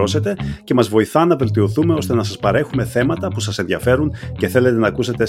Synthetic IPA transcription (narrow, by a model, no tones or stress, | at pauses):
o̞se̞t̪e̞ce̞mɐzvo̞iθɐnɐve̞lt̪io̞θume̞o̞st̪e̞nɐsɐspɐɾe̞xume̞θe̞mɐt̪ɐpusɐsenðiɐfe̞ɾuŋce̞θe̞le̞t̪e̞nɐːkuse̞t̪e̞